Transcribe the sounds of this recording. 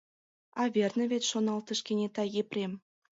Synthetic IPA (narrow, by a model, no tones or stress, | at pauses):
ɑβʲernĕβʲet̪ʲʃonɑlt̪ə̆ʃkenʲet̪ɑjeprʲem